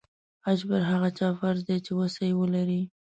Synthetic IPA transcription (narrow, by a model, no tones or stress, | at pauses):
ad͡ʒbaɾɦaɣat͡ʃɑfaɾd̪et͡ʃewəsajwəlaɾi